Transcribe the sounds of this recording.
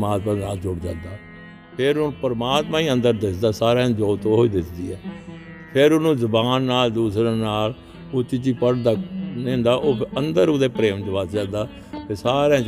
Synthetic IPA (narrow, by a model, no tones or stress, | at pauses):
maːt̪mãːnaːld͡ʒʊɽd͡ʒa̰ːnd̪aː | pʰɪɾʊnũpəɾmaːt̪mãːiːə̃nd̪əɾd̪ɪsd̪aːsaːɾẽːd͡ʒoːt̪oːɦoːiːd̪ɪt̪d̪iːɛː | pʰɪɾʊnũːzəbaːnːaːld̪uːsɾeːnaːl | ʊt͡ʃɪt͡ʃiːpəɽd̪aːnẽːnd̪aːʔoːənd̪əɾʊd̪eːpɾeːʋd͡ʒʋəsd͡ʒãːd̪aː | t̪eːsaːɾẽː